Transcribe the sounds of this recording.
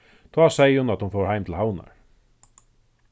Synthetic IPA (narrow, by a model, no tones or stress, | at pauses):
t̪ʰaːsɛjəhʊnat̪hʊnfowɹhaɪjmt̪ʰɪlhawna̰ɹ